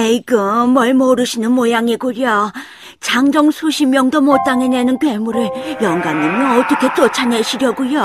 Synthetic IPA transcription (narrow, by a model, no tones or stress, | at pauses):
eikɯːʌɭmoɾɯɕʰinɯnmojaŋiɡuɾjʌ | t͡ɕaŋd͡ʑʌŋsʰuɕʰimjʌŋdomot͈aŋenenɯnkwemuɾɯɭjʌŋɡanɯnʌnʌt͈ʌkʰe̞t͈ot͡ɕʰaneɕʰiɾjʌɡujo